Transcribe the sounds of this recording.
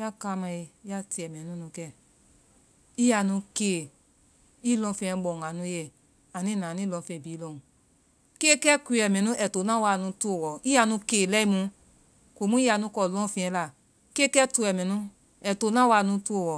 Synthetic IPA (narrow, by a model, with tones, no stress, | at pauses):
a˦ka˧mã˧e˧i˦a˧ti˧˨ɛ˨mɛ̃˨nũ˦nũ˧kɛ˧ | i˦a˧nũ˧ke˨ | i˦lɔ̃˧fĩ˧ɛ̃˧ɡ͡bɔ̃˨ɡa˨nũ˧˦je˧˨ | a˨nĩ˦nã˨nĩ˦˨lɔ̃˧fɛ̃˨biː˨˦lɔ̃˧˨ | ke˦kɛ˦kʷi˧˦ɛ˨mɛ̃˨nũ˦ʔɛ˨to˨˦nã˦wa˧˨nũ˧tu˦o˨wɔ˨i˦a˧nũ˧ke˨lɛ˦i˧mũ˧ | ko˨˦mũ˦i˦a˧nũ˧˦kɔ˧˨lɔ̃˦fĩ˧ɛ̃˧˦la˨ | ke˦kɛ˦tu˧˨ɛ˨mɛ̃˨nũ˦ | ɛ˨to˨˦nã˦wa˧˨nũ˧tu˦˧o˨wɔ˨